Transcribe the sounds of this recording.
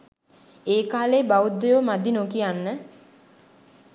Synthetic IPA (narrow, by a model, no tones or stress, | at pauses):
eːkaːleːbaud̪ːejomad̪inokijanːə